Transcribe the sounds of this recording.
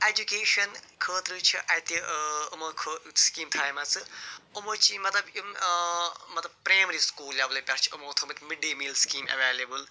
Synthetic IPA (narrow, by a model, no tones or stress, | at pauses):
ed͡ʒukeːʃɐnkʰəːt̪ɾɨt͡ʃʰiʔɐjt̪iɐmokʰəskiːmt̪ʰaːjmɐt͡sɨumot͡ʃimɐt̪lɐbim | mɐt̪lɐb̚pɾaːjmɾiskuːljablepʲɐɾt͡ʃʰi̥ɐmoːt̪ʰɨmɐt̪miɖimilskiːmɐ̰ʋeːlɐbɨl